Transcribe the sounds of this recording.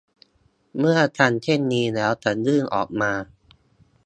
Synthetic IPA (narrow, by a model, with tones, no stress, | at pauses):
mɯ˥˩ɐt̪ʰa˧˥˩nt͡ɕ̪ʰe˥˩nːiː˧lɛː˦˥wt̪ʰa˧˩nɾɯː˥˩ŋʔɔ̰ː˨˩k̚maː˧